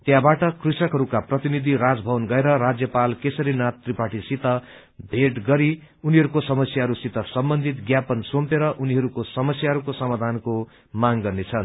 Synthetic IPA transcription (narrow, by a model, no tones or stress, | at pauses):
t̪jãbaʈʌkrisʌkɦʌɾukaprʌt̪inid̪ʱirad͡zbʱʌwʌnɡʌeɾʌrad͡zjʌpalkesʌɾinat̪ːripaʈisit̪ʌ | bʱeʈɡʌɾi | uniɦʌɾukosʌmʌsjaɦʌɾusit̪ʌsʌmbʌnd̪ʱit̪ɡjapʌnsompeɾʌʔuniɦʌɾukosʌmʌsjaɦʌɾukosʌmad̪ʱanko | maŋɡʌrnet͡sʰʌn